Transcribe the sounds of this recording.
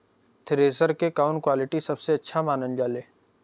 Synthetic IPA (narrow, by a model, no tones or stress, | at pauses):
t̪ʰɪɾeːsəɾkekaːʊ̃ɳkwaːlɪʈisɐbseɐtːʃʰamaːnənd͡ʒaːleː